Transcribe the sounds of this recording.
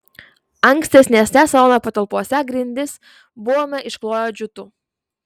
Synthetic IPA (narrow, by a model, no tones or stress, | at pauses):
ɐŋksʲt̪ʲɛsʲnʲeːsʲnʲɛsɐlɔnɐpɐt̪ɐlˠpuɔsʲɛɡɾʲɪnʲd̪ʲɪs | bʊʋoːmʲɛʔɪʃklˠoːjoːd͡ʒʲʊt̪uː